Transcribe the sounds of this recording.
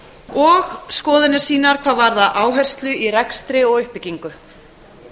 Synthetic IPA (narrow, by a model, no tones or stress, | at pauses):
ɔɣskɔːðɪnɪ̥siːnaɾ̥kʰvaːðvaɾðaʔaːwɦɛjr̥st̪lʏirɛkst̪ɾɪɔɣʏhpɪciŋkʏ